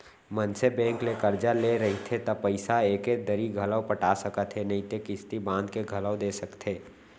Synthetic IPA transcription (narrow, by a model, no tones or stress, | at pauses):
mənsebɛ̃ːŋklekəɾd͡ʒaleɾɐɦit̪ʰet̪ɔpəɪsaeːked̪əɾiɡʱələwpəʈasəkət̪ɦenɐĩt̪ekɪst̪ibãːnd̪keɡʱələwd̪eːsəkt̪ʰɦeː